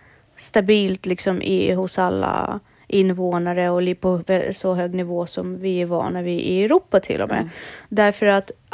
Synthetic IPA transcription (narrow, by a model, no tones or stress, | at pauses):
st̪abiːlt̪lɪksɔmʔɪ̰hʊsalːa̰ | ʔɪnːvoːnaɾəɔliːpʰɔvɛsɔɦøːɡnɪvoːsɔmvɪɛvɑ̰ːnavɪʔɪɛɾuːpːat̪ʰɪ̰lːɔ̰mḛːd̪æɾfœɾat̪